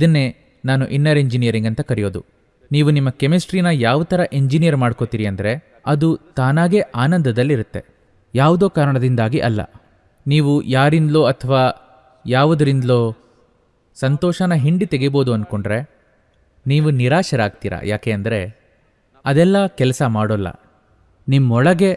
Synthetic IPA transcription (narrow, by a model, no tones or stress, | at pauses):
id̪ɐnːe̞ | naːnuʔinːɐɾeɲd͡ʒinijɐɾiŋɡɐnt̪ɐkɐɾijo̞ːd̪ṵ | niːʋunimːɐkemisʈɾinɐjaːʋut̪ɐɾɐʔeɲd͡ʒinijɐɾmaːɽko̞t̪iːɾiɐnd̪ɐɾe̞ | ɐd̪ut̪aːnaːɡe̞ʔaːnɐnd̪ɐd̪ɐlːiɾut̪ːe̞ | jaːʋud̪o̞ːkaːɾɐɳɐd̪ind̪aːɡiʔɐlːɐ̰ | niːʋujaːɾind̪loːɐt̪ʰːɐʋaː | jaːʋud̪ɐɾind̪loː | sɐnt̪ɔːʃanɐɦiɳɖit̪e̞ɡibo̞ːd̪uɐnko̞ɳɖɾe̞ | niːʋuniɾaːʃɐɾaːɡ̚t̪iːɾɐ̰jaːkeːɐnd̪ɐɾe̞ | ɐd̪ɛlːɐkɛlɐsɐmaːɽolːɐ̰ | nimːɔɭɐɡe̞